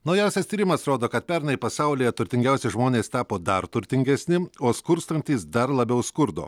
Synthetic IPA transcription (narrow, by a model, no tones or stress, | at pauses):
nɐʊjɛˑʊsʲɛst̪ʲiːɾʲɪmɐsɾoːd̪oːkɐt̪̚pʲɛɾnɐɪpɐsɑʊlʲiːjɛt̪ʊɾʲt̪ʲɪŋʲɡʲɛʊsʲɛʒmoːnʲeːst̪ɑːpoːd̪ɐɾt̪ʊɾʲt̪ʲɪŋʲɡʲɛsʲnʲɪoːskʊɾst̪ɐnʲt̪ʲiːsd̪ɐɾlˠɐbʲɛʊskʊɾd̪o̰ː